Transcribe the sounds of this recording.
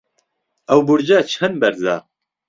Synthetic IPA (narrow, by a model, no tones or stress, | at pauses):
ɐwbuɾd͡ʒaːt͡ʃʰhɨnbɛɾza̰ː